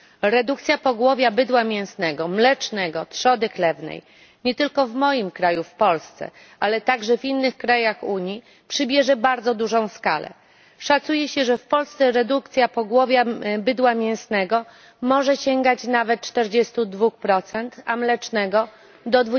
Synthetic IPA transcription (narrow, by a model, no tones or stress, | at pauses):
ɾɛd̪ukt̪sʲjapɔɡwɔvʲjabɘd̪wamʲjɛ̃w̃snɛɡɔmlɛt͡ʂnɛɡɔt̪ʂɔd̪ɘklɛvnɛ̰j | ɲɛt̪ɘlkɔvmɔjimkɾajufpɔlst̪sɛ̰ | alɛt̪aɡʐɛvinːɘxkɾajaxuɲji | pʂɘbʲjɛʐɛbaɾd̪zɔd̪uʐɔ̃w̃ska̰lɛ̰ | ʂat̪sujɛɕɛʐɛfpɔlst̪sɛɾɛd̪uk̚t̪sʲjapɔɡwɔvʲjabɘd̪wamʲjɛ̃w̃snɛɡɔ | mɔʐɛɕɛŋɡat͡ɕnavɛt̪̚t͡ʂt̪ɛɾd͡ʑɛst̪ud̪vuxpɾɔt̪sɛnt̪amlɛt͡ʂnɛɡɔ | d̪ɔd̪vu